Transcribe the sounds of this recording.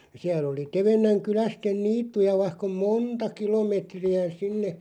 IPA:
siæl oli teʋenːæŋ kylæsten niːtːujɑ ʋɑihk om moːntɑ kilomeˑtriæ sinːe

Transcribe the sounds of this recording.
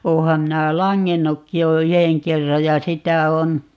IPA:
oːhɑm minæˑ lɑŋːenːukːi jo yheŋ kerːɑj jɑ sitæ on

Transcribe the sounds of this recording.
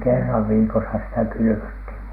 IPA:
kerːɑʋ ʋiːkosɑ sitæ kylyʋøthiʋ

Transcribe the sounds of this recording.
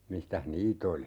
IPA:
mistæh niːt oli

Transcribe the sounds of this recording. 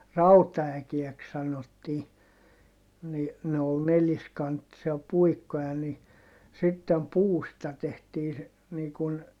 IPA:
rɑutɑækiɛks sɑnotːiː ni ne ol neliskɑntːisiɑ puikːojɑ ni sitːem puːstɑ tehtiː se niː kun

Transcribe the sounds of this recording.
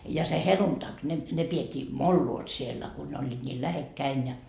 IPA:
jɑ se heluntɑk ne ne pietʲːiː molːuot sielːæ ku ne olʲːiːt nʲiːl læhekːæin jɑ

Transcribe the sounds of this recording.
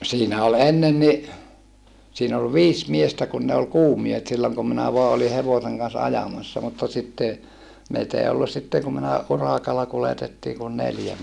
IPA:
siːnæ ol enːen ni siːn ol ʋiːs miestæ kun ne ol kuːmiehet silːoŋ kum minæ ʋoɑ oli heʋoseŋ kɑns ɑjɑmɑsːɑ mutːɑ sitːe meit ei olːus̆ sitːeŋ kum minæ urɑˑkɑlːɑ kuletetːiː kun neljæ

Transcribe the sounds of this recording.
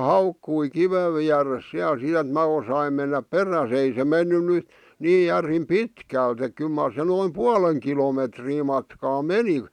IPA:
hɑukːui kiʋeʋ ʋiæres siæl sit ĕt mæ osɑim menːæp peræs ei se menːy ny niː jærim pitkæˑlt ek kyl mɑr se noim puɑleŋ kilometriː mɑtkɑː meni

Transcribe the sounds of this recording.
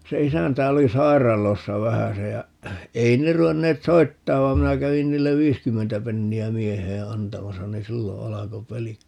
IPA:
se isæntæ oli sɑi̯rˑɑlosːɑ ʋæhæse jɑ ei ne ruenːeːt soitːɑːʋ ʋɑ minæ kæʋin niːlːeʋ ʋiːskymːentæ penːiæ mieheː ɑntɑmɑsɑ ni silːo ɑlɑko pelik

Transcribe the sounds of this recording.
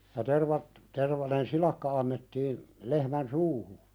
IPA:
jɑ terʋɑt terʋɑnen silɑkːɑ ɑnːetːiːn lehmæn suːhu

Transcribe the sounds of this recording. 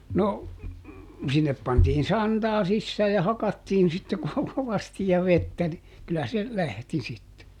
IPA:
no sinːep pɑntiːn sɑntɑː sisːæː jɑ hɑkɑtːiːn sitːe ko koʋɑsti jɑ ʋetːæ ni kylːæ se læhti sitːe

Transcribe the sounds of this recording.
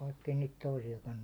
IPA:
ʋɑikːei niːt toisijɑkɑn

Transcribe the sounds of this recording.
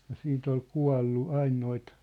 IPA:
jɑ siːnt ol kuɑ̝lːu ɑin noit

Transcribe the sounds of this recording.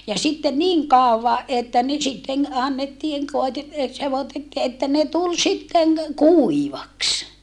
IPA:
jɑ sitːe niŋ kɑˑoʋɑ ʔetːæ ne sitːeŋ ɑnːetːiːŋ koite e seʋotetːiː etːæ ne tul sitːeŋ kuiʋɑks

